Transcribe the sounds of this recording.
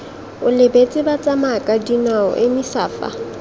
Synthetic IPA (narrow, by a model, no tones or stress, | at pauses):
ʊlɪbet͡sʼɪbat͡sʼamakʼadinaɔ̰ʔɪmisaːpʼa̰